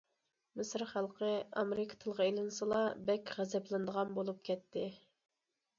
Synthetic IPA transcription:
mɪsɾχælˠqʰəɑmeɾɨkʰɑ̥t̪ʰɨlˠʁɑelˠɨnɨsɨlˠɑbɛkʲʁæzɛplˠɨnd̪əʁɑnbolˠup̚kʲʰɛt̪ʰːɪ

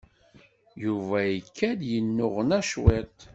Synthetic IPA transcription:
juvæjəkʰːæd̪jənːʊʁənæʃwet̪

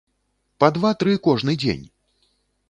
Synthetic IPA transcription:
pɐd̪vat̪ɾɨkɔʐnɨd͡zʲḛnʲ

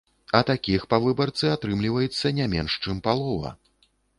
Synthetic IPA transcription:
ɐt̪akʲixpavɨbɐrt̪sɨat̪ɾɨmlʲivɐjɛt̪sːɐnʲamʲɛnʂt͡ʂɨmpalˠɔvɐ̰

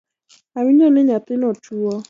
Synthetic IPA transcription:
awiɲɔnɪɲat̪ɪnɔtuɔ

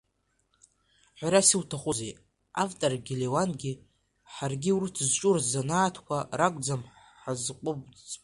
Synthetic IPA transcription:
ħᶣʷaɾasiwtʰaχʷʊzej | avtʼorɡʲilewanɡʲi | ħarɡʲiwrɨtʰzt͡ʃʼurzanaːtʰkʷʰarakʷʼd͡zam | ħazqʷʼʊbt͡sʼ

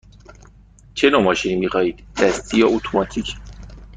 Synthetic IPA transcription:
t͡ʃʰenomɒːʃinimixɒːhiːd̪̥d̪̥æst̪ʰijɒʔot̪ʰomɒt̪ʰicʰ

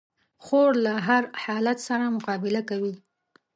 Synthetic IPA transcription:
xoɽlaɦaɾhɑlat̪saɾamʊqɑbɪlakawi

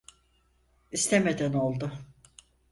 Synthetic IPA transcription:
ist̪ʰeme̞d̪æno̞lˠd̪ʊ

